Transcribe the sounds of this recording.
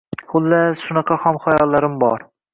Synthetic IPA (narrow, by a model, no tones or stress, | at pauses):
hʊlːaʃʊnɑqʰɑhɒmχɑjɒlˠːaɾɪmbɒ̰ɾ